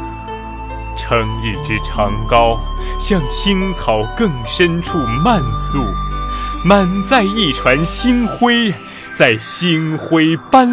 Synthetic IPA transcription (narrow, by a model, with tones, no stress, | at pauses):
ʈ͡ʂʰɤ˧˥ŋi˥˩ʈ͡ʂɻ̩˥ʈ͡ʂʰɑ˧˥ŋkɑ˥ʊɕjɑ˥˧ŋt͡ɕʰi˥ŋt͡sʰɑ˨˩ʊkɤ˥˧ŋʂə˥nʈ͡ʂʰu˥˧ma˥˧nsu˥˩ | ma˥˧˩nt͡sa˥˧ɪi˥˩ʈ͡ʂʰwa˧˥nɕi˥nxwe˥ɪ | t͡sa˥˩ɪɕi˥ŋxwe˥ɪpa˥n